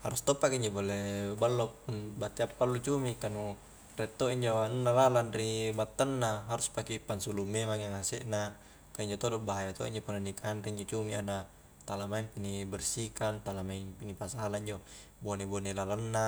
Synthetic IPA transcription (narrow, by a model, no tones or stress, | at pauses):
haɾust̪ɔpakiiɲd͡ʒobolebalːopunbat̪iapːalːut͡ʃumikanu | rɛt̪ːoiɲd͡ʒoanunːalalanribat̪ːanːaɦaɾuspakipːansulumːemaŋaŋasɛʔna | kaiɲd͡ʒot̪odɔbaɦajat̪o̰ḭɲd͡ʒopunːonikʰanɾiiɲd͡ʒot͡ʃumiana | t̪alamainpinibɛrsikant̪alamainpinipasaalaiɲd͡ʒo | bonebonelalanːa